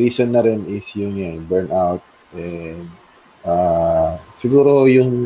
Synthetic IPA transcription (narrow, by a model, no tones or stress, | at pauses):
ɾiːsonːɐɾɪnɪsjʊŋjanbɛɹnʔawt̪̚ | ʔɛnd̪̚ | ʔa | sɪɡuːɾojʊŋ